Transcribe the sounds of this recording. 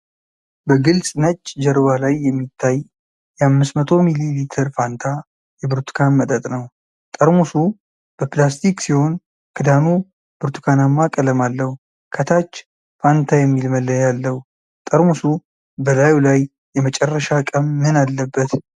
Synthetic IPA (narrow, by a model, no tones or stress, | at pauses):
bəɡɨlsʼnət͡ʃʼːd͡ʒɛɾβalajːɛmːit̪ʰːaj | jɛamːɨsmət̪ʰo̞mililit̪ʰəɾfant̪ʰa | jɛbɨɾt̪ʰu̥kʰanmət̪ʼət̪ʼnəw | t̪ʼəɾmusu | b̥əplast̪ʰiksiho̞n | kʰɨd̪anu | bɨɾt̪ʰu̥kʰanamːakʼələmalːəhu | kʰət̪ʰat͡ʃː | fant̪ʰajɛmːilməlːəjalːəhu | t̪ʼəɾmusu | bəlajulaj | jɛmət͡ʃʼɛrːəʃakʼəmːɨnalːəbːət̪